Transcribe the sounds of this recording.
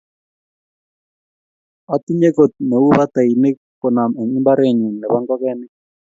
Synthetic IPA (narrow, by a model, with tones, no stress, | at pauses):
a˨ti˦ɲe˦ko˨t̪̚ne˨u˦ba˦t̪a˨i˨ne˦kkʊ˨na˨mɛ˨ɲi˦mba˦ɾe˦˨ɲu˨nːɛ˨βa˦ŋɡɔ˦kɛ˦nɪ˦